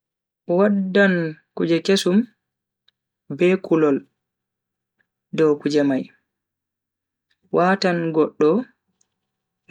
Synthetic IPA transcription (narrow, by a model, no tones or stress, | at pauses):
wadːankud͡ʒɛkesum | bɛkulɔl | dɔwkud͡ʒɛmaj | wʔaːtanɡɔɗːɔ